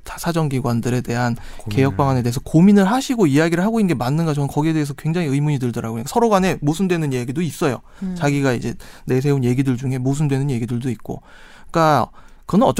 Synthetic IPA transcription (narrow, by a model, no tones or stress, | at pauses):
sʰad͡ʑʌŋɡiɡwandɯɾe̞de̞ɦan | ke̞jʌk̚p͈aŋane̞deesʰʌkominɯɭɦaɕʰiɡoijaɡiɾɯɭhɦaɡoinːɡemanːɯnɡat͡ɕʰʌnɯnkʌɡie̞de̞ːs̬ʰʌkwe̞ŋd͡ʑaŋiɯimuɲidɯɭdʌɾaɡoɲik͈asʰʌɾoɡwanemosʰɯndwe̞nɯnijaɡidois͈ʌjo̰ | t͡ɕaɡiɡaḭd͡ʑe̞ne̞sʰe̞unje̞ɡidɯɭd͡ʑuŋɦe̞mos̬ʰɯndwe̞nɯnje̞ɡidɯɭdoik̚k͈o̰ | k͈a | kɯnɯnʌt͡ɕ